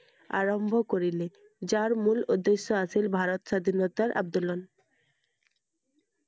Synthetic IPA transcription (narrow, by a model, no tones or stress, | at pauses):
a̰ɾombʱokoɾile | d͡ʑaɾmulod̪ːeʃːoasʰilbʱaɾot̪ʃad̪ʱinot̪aɾʔa̰b̚d̪olon